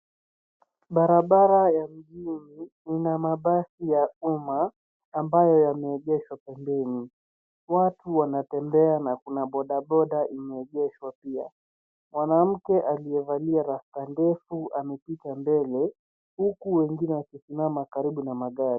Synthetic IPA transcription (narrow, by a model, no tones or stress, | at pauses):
ɓaɾaɓaɾajam̩ʄini | inamaɓasijaumaː | mbajɔjamɛːʄɛʃwapɛmbɛni | watuwanatɛmbɛanakunaɓɔɗaɓɔɗaʔimɛːʄɛʃwapia̰ | mwanam̩kɛʔaliɛvaliaɾaftandɛfuʔamɛpitambɛlɛ | hukuwɛŋɡinɛwakisimamakaɾiɓunamaɠaɾi